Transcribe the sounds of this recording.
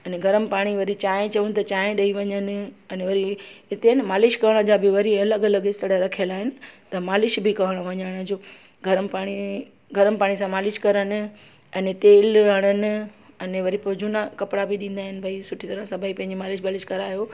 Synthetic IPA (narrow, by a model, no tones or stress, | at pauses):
ɐneɡʱɐɾəmɪ̆paːɽ̃iʋɐɾit͡ɕaːɦẽt͡ɕɐʋunɪ̆t̪ɐt͡ɕaːɦẽɗɐiʋɐɲənɪ̆ɛ̃neʋɐɾiɪt̪enmaːlɪʃkɐʋəɽ̃əd͡ʑaːbɪʋɐɾiɐləɡɐləɡɦɪst̪əɽaɾɐkʰijəlaːɦɪnɪ̆t̪ɐmaːlɪʃbɪkɐʋəɽ̃əʋɐɲəɽ̃ə̃d͡ʑoː | ɡʱɐɾəpaːɽ̃i | ɡʱɐɾənɪpaːɽ̃is̬ãmaːlɪʃkɐɾənɪ̆ | ɛ̃ːnɪt̪eːlɦɐɽ̃ənɪ̆ | ɐneʋɐɾipod͡ʑunakɐpɽabɪɗĩːn̆d̪aːɦɪnɪ̆bʱɐisʊʈʰit̪ɐɾəsãbʱaipɐ̃ɦɪ̃ɲd͡ʑemaːlɪʃbaːlɪʃkɐɾaːɦjoː